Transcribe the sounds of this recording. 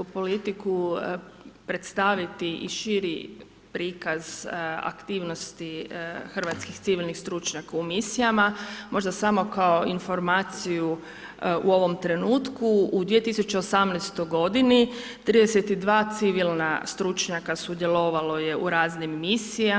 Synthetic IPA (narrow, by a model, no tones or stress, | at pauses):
upo̞lit̪iku | pɾet̪st̪aʋit̪iʔḭʃiɾi | pɾiːkaza̰kt̪iːʋno̞st̪ixr̩ʋat̪skixt̪siʋilnixst̪ɾut͡ʃɲakaumisijamamo̞ʒd̪asamo̞kaoinfo̞ɾmaːt̪siju | uo̞ʋo̞mt̪ɾe̞nuːt̪kuud̪ʋie̞t̪isut͡ɕeosamnɛst̪ojɡo̞d̪init̪ɾid̪eset̪id̪ʋaːt̪siʋilna̰st̪ɾut͡ʃɲakasud̪jelo̞ʋalo̞je̞ʔuɾaːznimːisija